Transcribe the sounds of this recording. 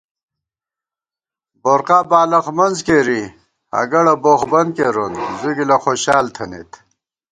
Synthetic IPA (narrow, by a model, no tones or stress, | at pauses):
boɾqaːbaːlɐxmɐnzkeɾi | ɐ̰ɡɐɽɐboːxbɐnkeɾonzuɡilɐxoɕaːlt̪ʰɐnḛt̪